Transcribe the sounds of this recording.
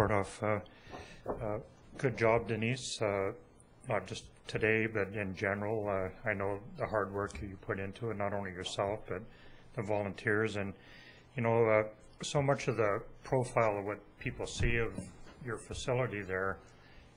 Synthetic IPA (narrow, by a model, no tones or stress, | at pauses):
ɔɹɾʌv̥ʌ | ɡ̥ʊd̚d͡ʒɑb̚dɨnisʌ | nət̚d̥ʒ̥ʌstʰɨdeɪbʌɾɪ̃nd͡ʒɛnə˞l̩ˠʌaɪnoʊðəhɑɹd̚wɜ˞kɨjɨpʰʊɾɪ̃ntʰuɨtⁿnəɾõʊ̃nlijə˞sɛlˠfb̥ʌt̪̚ðɨvɑlˠə̃ntʰɪɹzɨ̃n | jɨnoʊʌ | soʊmʌt͡ʃʌvðɨpʰɹ̥oʊfaɪlˠʌvwʌt̚pʰipl̩ˠsiʌvjə˞fɨsɪlˠəɾiðə˞